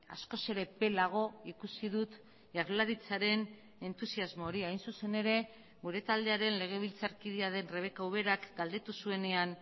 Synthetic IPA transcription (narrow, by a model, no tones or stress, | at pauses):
a̰sko̞se̞ɾe̞pe̞laɣ̞o̞ikusið̞ut̪ | ʝaɾlaɾit͡saɾe̞n | e̞nt̪usiazmo̞ːɾiajnsuse̞ne̞ɾe̞ | ɡuɾe̞t̪ald̪e̞aɾe̞nle̞ɣ̞e̞β̞ilt͡saɾkiðeaðe̞nre̞β̞e̞kawβe̞ɾakɡald̪e̞t̪usue̞ne̞an